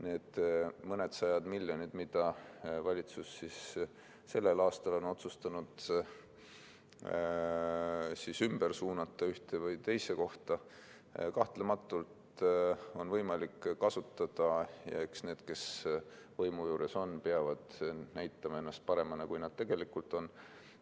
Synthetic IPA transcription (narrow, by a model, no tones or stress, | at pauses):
neːd̪̥mɤne̞d̪̥sɑjɑd̪̥milʲjo̞nʲid̪̥mid̪̥ɑvɑlʲit̪susːis | se̞lːe̞lɑːst̪ɑlo̞no̞t̪sust̪ɑnud̪̥ | sisymb̥ersuːnɑt̪ːˑɑyht̪e̞vɤjt̪e̞jse̞ko̞ht̪ɑ | kɑht̪lemɑt̪ːˑult̪ | o̞nvɤjmɑlikːɑsut̪ːˑɑd̪̥ɑjɑ̰eksne̞ːd̪̥ke̞s | vɤjmujuːɾeso̞npeɑvɑd̪̥næjt̪ːˑɑmɑe̞nːɑst̪̚pɑɾe̞mɑnekujnɑd̪̥t̪e̞ɡ̥e̞likult̪ˑo̞n